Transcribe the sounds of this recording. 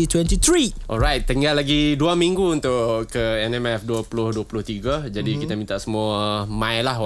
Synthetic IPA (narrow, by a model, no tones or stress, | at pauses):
it̪wɛ̃ntit̪ɾiʔɔ̰lɾajt̪̚t̪ːəŋɡalːaɡiduamiŋɡuunt̪ʊʔkəɛnɛmɛfduapulʊhduapulʊht̪iɡad͡ʒadikit̪amint̪aʔsəmuamãjlaɦ